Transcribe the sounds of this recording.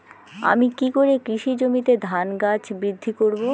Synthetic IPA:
a̰mikikoɾekɾiʃid͡ʑomit̪ed̪ʱanɡat͡ɕbɾid̪ʱːikoɾbo

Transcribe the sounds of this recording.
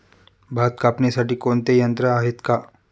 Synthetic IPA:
bʱaːt̪kaːpnesaʈikoːnt̪ejɐ̃nt̪ɾəaːɦɪt̪ka

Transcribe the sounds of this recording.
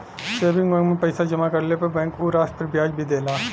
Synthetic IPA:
ʃeːbɪ̃ŋɡɐ̃ŋɡmẽpɐɪsad͡ʒɐmakɐɾlepɐɾbɛ̃ːŋkuːɾaːs̚pɐɾbjaːd͡ʒbʱid̪eːlaː

